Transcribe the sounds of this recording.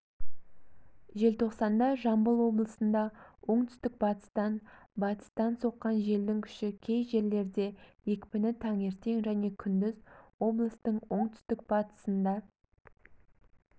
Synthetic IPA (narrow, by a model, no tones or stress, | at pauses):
ʒe̞lt̪ʰo̞qsɑnd̪ɑʒɑmbəlˠwo̞blˠəsənd̪ɑwʔo̞ɴt̪ʰʏ̥st̪ɪk̚bɑt̪ə̥st̪ɑnbɑt̪ə̥st̪ɑnso̞qːɑnʒe̞ld̪ɪŋkʲʰʏ̥ʃɪkʲʰe̞jʒe̞ɾle̞ɾd̪e̞je̞kʲpɪnɪt̪ʰɑŋe̞ɾt̪e̞ŋʒæne̞kʲʰʏnd̪ɪzwo̞blˠəst̪əɴwo̞ɴt̪ʰʏ̥st̪ɪk̚b̥ɑt̪ə̥sənd̪ɑ